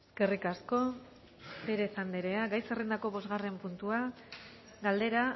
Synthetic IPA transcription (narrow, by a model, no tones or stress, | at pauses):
eske̞rikasko̞ | be̞ɾe̞sand̪eɾe̞aɡajserend̪ako̞βo̞zɣare̞mpunt̪ua | ɡald̪e̞ɾa